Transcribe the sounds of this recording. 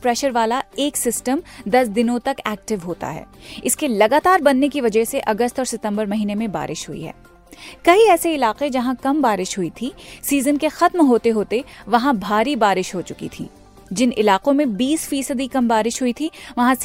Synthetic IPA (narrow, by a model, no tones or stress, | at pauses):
pɾɛːʃəɾʋaːlaeːksɪsʈəmd̪ɐsd̪ɪnõt̪ɐkɛːk̚ʈɪʋɦoːt̪a̰ɦɛ̰ːɪskelɐɡaːt̪aːɾbɐnːekiʋɐd͡ʒəɦseʔɐɡəst̪ɔːɾsɪt̪ə̃mbəɾmɐɦiːnemẽba̰ːɾʔɪʃɦʊḭɦɛ̰ː | kɐɦiɛːseɪlaːqed͡ʒɐɦãkɐmbaːɾɪʃɦʊit̪ʰisiːzənkexɐt̪mɦoːt̪eɦoːt̪eʋɐɦãbʱaːɾibaːɾɪʃɦoːt͡ʃʊkḭt̪ʰḭː | d͡ʒɪnʔɪlaːqõmẽbiːsfiːsəd̪ikɐmbaːɾɪʃɦʊit̪ʰiʋɐɦãs